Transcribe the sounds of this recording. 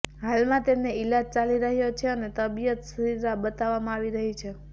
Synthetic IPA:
ɦalmãt̪emneɪlad͡ʒ̚t͡ʃaliɾəɦjot͡ʃʰeənet̪əbijət̪səɾiɾabət̪aʋamãaʋiɾəɦit͡ʃʰe

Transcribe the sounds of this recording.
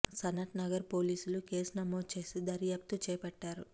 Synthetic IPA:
sɐnɐʈnɐɡɐɾpo̞ːliːsuluke̞ːsnɐmoːd̪̚t͡ʃe̞ːsid̪ɐɾjaːp̚t̪ut͡ʃɛːpɐʈːaːɾu

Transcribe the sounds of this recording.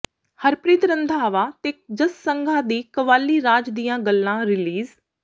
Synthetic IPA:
həɾpɾiːt̪ɾənd̪ʱaːʋaːt̪eːk̚d͡ʒəssəŋɡʱãːd̪iːkəʋaːlːiːɾaːd͡ʒd̪ijãːɡəlːãːɾɪliːz

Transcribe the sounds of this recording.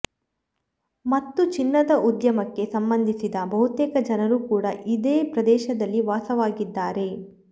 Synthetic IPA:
mɐt̪ːut͡ʃinːɐd̪ɐʔud̪jɐmɐkːe̞sɐmbɐnd̪ʱisid̪ɐbɐɦut̪ɛːkɐd͡ʒɐnɐɾuːkuːɽɐʔid̪eːpɾɐd̪ɛːʃɐd̪ɐlːiʋaːsɐʋaːɡid̪ːaːɾe̞

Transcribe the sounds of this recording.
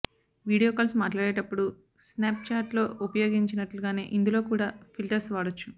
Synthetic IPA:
ʋiːɽijoːkɐːlsmaːʈlaːɽeːʈɐpːuɽu | snaːp̚t͡ʃaːʈlo̞ːupɐjo̞ːɡiɲt͡ʃinɐʈluɡaːne̞ːʔind̪ulo̞ːkuːɽaːfilʈɐɾsʋaːɽot͡ʃːu̥

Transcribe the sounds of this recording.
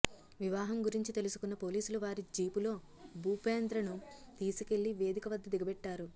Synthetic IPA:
ʋiʋaːɦɐmɡuɾiɲt͡ʃit̪e̞lusu̥kunːɐpo̞ːliːsuluʋaːɾid͡ʒiːpulo̞ː | buːpeːnd̪ɾɐnut̪iːsuke̞ɭːiʋe̞ːd̪ikɐʋɐd̪ʱːɐd̪iɡɐbɛʈːaːɾu

